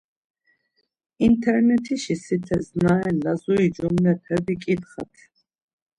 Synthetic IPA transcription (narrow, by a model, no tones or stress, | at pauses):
int̪ʰɛɾnɛt̪ʰiʃisit̪ʰɛznaɛnlazuid͡ʒumnɛt̪ʰɛbikʼit̪χa̰t̪ʰ